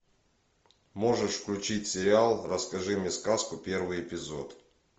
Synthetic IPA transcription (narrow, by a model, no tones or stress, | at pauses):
mo̞ʐɨʂfklʲʉt͡ɕitʲsʲɪɾʲɪalˠrəskɐʐɨmʲɪskaskʊpʲe̞rvɨjɪpʲɪzo̞t̪